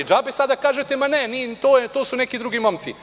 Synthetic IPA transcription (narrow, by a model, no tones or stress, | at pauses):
d͡ʒaːbesad̪akaːʒet̪emanenit̪oːjet̪oːsunekid̪ɾuɡimo̞mt̪si